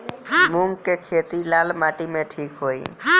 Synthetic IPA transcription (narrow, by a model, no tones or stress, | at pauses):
mʊ̃ŋɡkekʰeːt̪ilaːlmaːʈimẽʈʰiːkɦoːḭ